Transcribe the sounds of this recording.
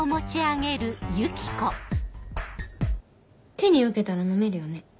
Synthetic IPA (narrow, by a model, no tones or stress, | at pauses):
omo̞t͡ɕiaɡe̞ɾɯ̟jɯkʲi̥ko | t̪e̞ɲ̟iɯ̟ke̞t̪aɾano̞me̞ɾɯ̟jo̞ne̞